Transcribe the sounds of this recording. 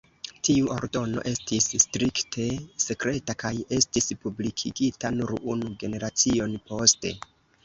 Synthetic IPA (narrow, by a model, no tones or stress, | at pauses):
tiuʔo̞̰ɾdo̞no̞̰ʔe̞stisːtɾiktʰe̞se̞kɾe̞takaje̞stispublikʰiɡitanuɾunuɡe̞ne̞ɾat͡sio̞npo̞ste̞̰